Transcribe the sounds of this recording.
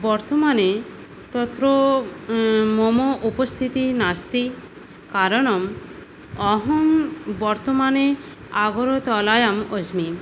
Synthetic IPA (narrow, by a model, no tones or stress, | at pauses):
bɔɾt̪ɔmane | t̪ɔt̪ɾo | mɔmoʔupɔst̪ʰit̪inast̪i | kaɾɔɽ̃ɔm | ɔɦɔmbɔɾt̪ɔmane | aɡɔɾɔt̪ɔlajamod͡ʒmi